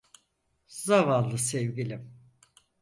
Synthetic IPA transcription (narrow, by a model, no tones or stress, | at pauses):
zavanˠːɯsɛvɡilʲim